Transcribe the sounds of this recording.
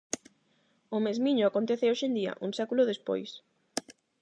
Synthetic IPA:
ʊmezmiɲʊakont̪eθeoʃend̪iɐ̰ʔuŋsakulʊðespo̰js

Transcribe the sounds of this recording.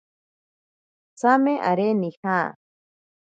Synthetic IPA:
t͡sameʔa̰ɾenihaː

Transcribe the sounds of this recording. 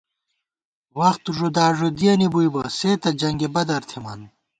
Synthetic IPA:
wɐxt̪uʐud̪aːʐod̪ijɐnibujbɐseːt̪ɐd͡ʑɐŋɡebɐd̪ɐɾt̪ʰemɐ̰n

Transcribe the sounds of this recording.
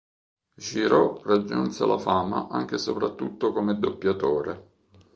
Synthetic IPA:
ʒiɾɔrad͡ʒːunsḛlʔafaːma̰ʔaŋk̟esopɾat̪ːut̪ːokomed̪opːjat̪oːɾe

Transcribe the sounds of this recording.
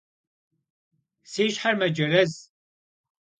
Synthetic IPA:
siːʃħaɾmɐd͡ʒɐɾɐz

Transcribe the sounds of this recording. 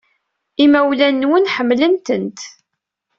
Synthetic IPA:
imæwlænːwənħəmːlənt̪ənt̪

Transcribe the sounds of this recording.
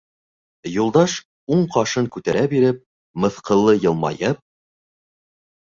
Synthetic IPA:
julˠd̪ɑʃ | uɴqɑʃɤŋkʉt̪æɾæbiɾɘp̚ | mɤ̆θqɤ̆lˠːɤjɤ̆lˠmɑ̰jɤp̚

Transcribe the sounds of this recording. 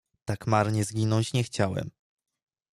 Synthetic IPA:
t̪akmaɾɲɛzɡʲinɔ̃ɲt͡ɕɲɛxt͡ɕawɛ̰m

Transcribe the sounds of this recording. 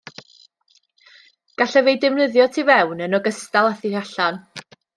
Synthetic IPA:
ɡ̥aɬɛvejdɪvnəðjɔtʰivɛwnənɔɡəstalˠaθiraɬan

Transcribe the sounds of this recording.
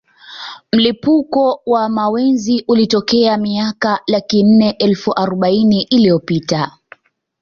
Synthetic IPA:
m̩lipukɔwamawɛnziʔulitɔkɛamiakalakin̩ːɛʔɛlfuʔaɾɔɓainiʔilijɔpita

